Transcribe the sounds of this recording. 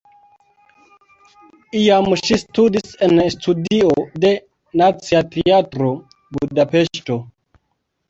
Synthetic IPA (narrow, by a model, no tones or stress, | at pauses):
iamʃistudisenstʰudiode̞ | nat͡siatʰeatɾo | budape̞ʃto̞